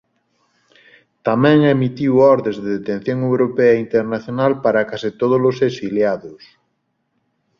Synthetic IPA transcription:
t̪amɛ̃ŋemit̪iwɔɾðẽzðeðet̪ẽn̟θjoŋewɾopeɐint̪eɾnaθjonalpaɾakasit̪oð̞olosesiljaðʊs

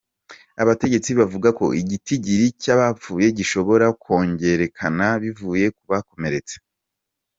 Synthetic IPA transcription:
a̰βate̞ɟe̞t͡siβavuɡako̞̰ʔiɟitiɟiɾicaβafuːje̞ɟiʃo̞βo̞ɾako̞ːɲɟe̞ɾe̞kʰanaβivuːje̞kuβako̞me̞ɾe̞t͡se̥

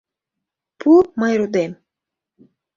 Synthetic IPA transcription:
pʰup̚mɑjɾud̪em

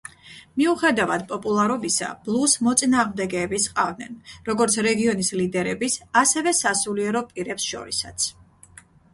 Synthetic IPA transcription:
miuχɛd̪avad̪pʼɔpʼulˠaɾɔbisa̰b̥lˠusmɔt̪sʼinaːʁmd̪ɛɡɛːbisqʼavd̪nɛnɾɔɡɔɾt̪sʰɾɛɡiɔnislid̪ɛɾɛbisasɛvɛsasuliɛɾɔpʼiɾɛpsʃɔ̰ɾisat̪sʰ

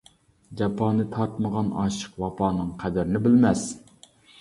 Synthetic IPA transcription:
d͡ʒɑpʰɑːnɨt̪ʰɑɾt̪məʁɑnɑ̰ʃə̥qwɑpʰɑːnɨŋqʰæd̪ɪɾɪnɪbɪlmɛs

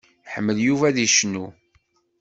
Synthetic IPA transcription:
ħəmːəljuvæðiʃnu

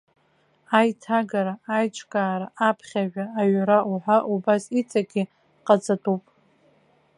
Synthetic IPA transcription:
ajtʰaɡaɾaajt͡ʃʷʼkʼaːɾaʔapʰχʲaʒᶣaːɥɾauħʷaʔubasit͡sʼaɡʲi | qʼat͡sʼatʼupʼ

